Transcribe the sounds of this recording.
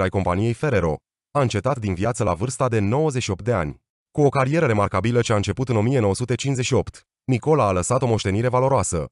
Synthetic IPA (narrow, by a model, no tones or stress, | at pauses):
ajko̞mpanije̞jfe̞ɾe̞ɾo̞ | aɨnt͡ʃe̞t̪at̪d̪inviat̪səla̰vɨrst̪ad̪e̞no̞wəzetʃio̞p̚t̪̚d̪e̞a̰nʲ | kuo̞kaɾije̞ɾəɾe̞markabilət͡ʃeaɨnt͡ʃe̞put̪ɨno̞mije̞no̞wəsut̪e̞t͡ʃinzeʃio̞pt̪ | niko̞laːləsat̪o̞mo̞ʃt̪e̞niɾe̞valo̞ɾoasə̰